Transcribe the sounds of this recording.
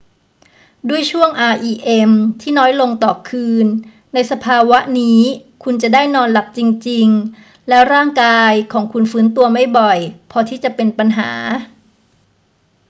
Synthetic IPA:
du˥˩əjt͡ɕʰu˥˩əŋʔaː˧ʔiː˧ʔe˧mt̪ʰiː˥˩nɔː˦˥jlo˧ŋt̪ɔː˨˩kʰɯː˧nː | a˧jsa˧pʰaː˧wa˦˥ʔniː˦˥kʰu˧nt͡ɕa˨˩daː˥˩jnɔː˧nla˨˩k̚t͡ɕi˧ŋt͡ɕi˧ŋ | lɛː˦˥wɾaː˥˩ŋkaː˧jkʰɔː˩˦ŋkʰu˧nfɯː˦˥nt̪u˧ɐma˥˩jbɔ˨˩jpʰɔː˧t̪ʰiː˥˩t͡ɕa˨˩pe˧npa˧nɦa̰ː˩˦

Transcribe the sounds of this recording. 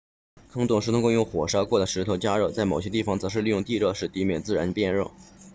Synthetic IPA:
kʰɤ˥ŋt̪ʊ˨˩ŋʂ̩˧˥t̪ʰŋkʊ˥˧jʊ˥˩ʊxwɔ˨˩ʂɑ˥ʊkwɔ˥˩d̪ə˩ʂɻ̩˧˥t̪ʰo˧˥ʊt͡ɕja˥ɻo˥˩ʊt͡sa˥˩ɪmo˨˩ʊɕjɛ˥t̪i˥˩fɑ˨˩ŋt͡sɤ˧˥ʂɻ̩˥˧li˥˧jʊ˥˧ŋt̪i˥˧ɻɤ˥˧ʂɻ̩˥˩t̪i˧˥mjɛ˨˩nt͡sɹ̩˥˩ɻa˧˥npjɛ˥˧nɻɔ˥˩

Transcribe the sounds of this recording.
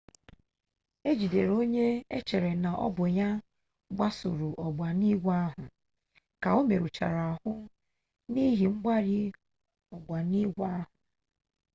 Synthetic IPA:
e˦d͡ʒi˨de˨ɾo˦ɲe˦ḛ˦t͡ʃe˨ɾe˨na˨ʔɔ̰˦bʊ˨ɲa˦ | ɡ͡bʷa˦sʊ̰˨ɾu˨ʔɔ˨ɡ͡ba˨ni˦ɡʷa˦ɦʊ˨ | ka˨o˦me˨ɾu˨t͡ʃa̰˨ɾa˨a˨hʊ˦ | ni˦ɦi˨ŋ͡m̩˦ɡ͡ba˦ɾi˦ | ɔ˨ɡ͡bʷa˨ni˦ɡʷa˦ɦʊ˨

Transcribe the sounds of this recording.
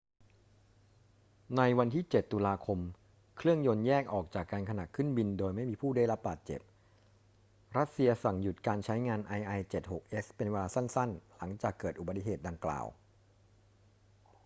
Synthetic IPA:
na˧jwa˧nt̪ʰiː˥˩t͡ɕe˨˩t̪ːuː˧laː˧kʰo˧m | kʰɾɯ˥˩əŋjo˧njɛː˥˩k̚ʔɔː˨˩k̚t͡ɕaː˨˩kːaː˧nkʰa˧na˨˩kʰɯ˥˩nbi˧ndoː˧jma˥˩jmiː˧pʰuː˥˩da˥˩jɾa˦˥p̚baː˨˩t̪̚t͡ɕḛ˨˩p̚ | ɾa˦˥t̪̚si˧ɐsa˨˩ŋju˨˩t̪̚kaː˧nt͡ɕʰa˦˥jŋaː˧nʔa˧jʔa˧jt͡ɕe˨˩t̪̚ho˨˩k̚ʔe˦˥spe˧nweː˧laː˧sa˥˩nsa˥˩nla˩˦ŋt͡ɕaː˨˩kːɤː˨˩t̪̚ʔu˨˩ba˩t̪i˨˩ɦeː˨˩t̪̚da˧ŋkla̰ː˨˩w

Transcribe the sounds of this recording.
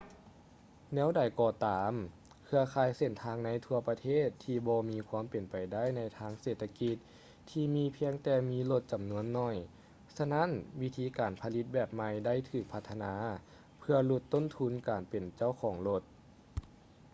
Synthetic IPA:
nɛː˧˥˨wda˨˩jkɔː˧t̪aː˨˩m | kʰɯ˧ɐkʰaː˧˩jse˧˩nt̪ʰaː˧ŋna˧˥jt̪ʰu˧ɐpa˧t̪ʰeː˥˩t̪ʰːiː˧bɔː˧miː˧kʰwaː˧˥˨mpe˨˩npa˨˩jda˥˩˨jna˧˥jt̪ʰaː˧˥ŋseː˨˩t̪ʰːa˧ki˧t̪̚ʰː | iː˧miː˧˥pʰi˧əŋt̪ɛː˧miː˧˥˨lo˧t̪̚t͡ɕa˨˩mnu˧˥ənːɔ˧˩j | sa˧na˧˥˨nwi˦˥t̪ʰiː˧˥kaː˨˩npʰa˧li˧˦t̪̚bɛː˧˩p̚ma˧jda˥˨jt̪ʰɯː˧˩k̚pʰa˧t̪ʰːa˧naː˧˦ | pʰɯ˧ɐlu˧˩t̪ːo˥˨nt̪ʰu˧˥˨nkaː˨˩npe˨˩nt͡ɕa˥˩wkʰɔː˨˩˦ŋlo˧t̪̚

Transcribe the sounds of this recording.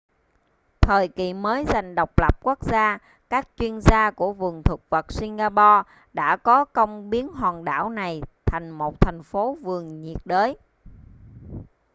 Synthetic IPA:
t̪ʰəː˨˩jkḭ˨məː˨˦jza˨˩jŋ̟ɗə˨˩wk͡p̚lə˨˩p̚ku˦˥k̚zaː˧ | kaː˦˥k̚t͡ɕwi˧ənzaː˧ku˧˩əvɨ˨˩əŋt̪ʰwə˨˩k̚və˨˩t̚si˧ŋɣaː˧pɔ˧ | ɗa̰ː˧˥kɔ˨˦kə˧wŋ͡mɓi˨˦ənɦwaː˨˩nɗa̰ː˧˩wna˨˩jt̪ʰa˨˩jŋ̟mo˨˩t̚t̪ʰa˨˩jŋ̟fo˨˦vɨ˨˩əŋɲḭ˨˩ət̚ɗəː˨˦j

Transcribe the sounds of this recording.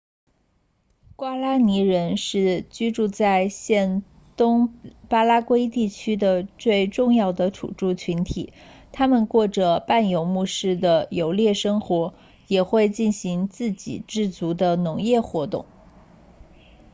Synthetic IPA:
kwa˥la˥ni˧˥ɻə˧˥nʂɻ̩˥˩t͡ɕy˥ʈ͡ʂu˥˧t͡sa˥˧ɪɕjɛ˥˩n | t̪ʊ˥ŋpa˥la˥kwe˥ɪt̪i˥˩t͡ɕʰy˥d̪ə˨t͡swe˥˧ɪʈ͡ʂʊ˥˧ŋjɑ˥˩ʊd̪ə˩ʈ͡ʂʰṵ˨˩ʈ͡ʂu˥˩t͡ɕʰy˧˥nt̪ʰḭ˨˩˦t̪ʰa˥mə˨nkwɔ˥˩ʈ͡ʂə˩pa˥˩njo˧˥ʊmu˥˧ʂɻ̩˥˩d̪ə˩jo˧˥ʊljɛ˥˩ʂɤ˥ŋxwɔ˧˥ | jɛ˨˩xwe˥˧ɪt͡ɕi˥˩nɕi˧˥ŋt͡sɹ̩˥˩t͡ɕḭ˨˩ʈ͡ʂɻ̩˥˩t͡su˧˥d̪ə˧nʊ˧˥ŋjɛ˥˩xwɔ˧˥t̪ʊ̰˥˩ŋ

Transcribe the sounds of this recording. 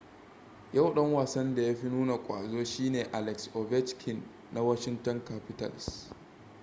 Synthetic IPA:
ja˦˨wɗɐ˦ŋwaː˨sɐ˦nda˨ja˦ɸi˦nuː˦na˨kʷʼa̰ː˨zoː˦ʃiː˦neː˨ʔa˨lɛ˨ksʔo˨bɛ˦t͡ʃkʰɪ˨nː | a˦wɐ˦ʃɪ˦ntɔ˦ŋka˦ɸɪ˦ta̰˦˨lɪ̰˨s

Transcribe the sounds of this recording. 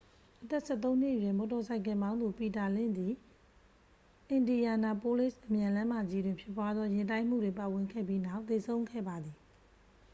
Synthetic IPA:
ʔət̪ɛ˦˨sɛ˦˨t̪õ˦ʊ̃n̥ɪ̰˦ʔəjwɪ̃˦˨mɔ˨tɔ˨sʰa˨ɪ̃k̬ɪ̃˨mbã˦ʊ̃nd̪u˨pi˨ta˨lɪ̰̃˦˨d̪i˨ | ʔɪ̃˨ndi˨ja˨na˨po˦le˦˨sʔə˨mjã˨lã˦ma˨d͡ʑi˦dwɪ̃˨mpʰjɪ˦p̬wa˦d̪ðwɔ˦jɪ̃˨ntã˦ɪ̃m̥ṵ˦˨dwɪ̃˨mpa˨wɪ̃˨ŋkʰɛ̰˦˨bji˦na˦˨ʊt̪ːe˨sʰõ˦ʊ̃ŋkʰɛ̰˦˨ba˨d̪ði˨

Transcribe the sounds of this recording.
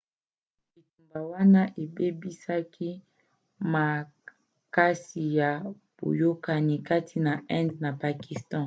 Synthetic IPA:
bi˨tu˨mba˨wa˦na˦ʔe˨be˦bi˦sa˦kʰi˦ | ma˨ | ka˦si˨ja˨ | b̥o̰˨jo˦ka˦ni˦ka˦tʰi˨na˨ʔɛ̃˦ndna˨pa˨ki˨stɑ̃˦

